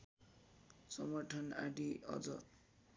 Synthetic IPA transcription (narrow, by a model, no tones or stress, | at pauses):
sʌmɡʌʈʰʌnaɖiʔʌ̰d͡zʌ̰t̪